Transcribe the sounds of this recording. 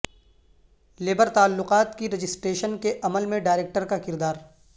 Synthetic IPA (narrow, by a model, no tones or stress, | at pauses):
leːbəɾt̪aːlːʊqaːt̪kiɾɐd͡ʒɪsʈɾeːʃənkeʔɐməlmẽɖaːɪɾeːk̚ʈəɾkakɪɾd̪aːɾ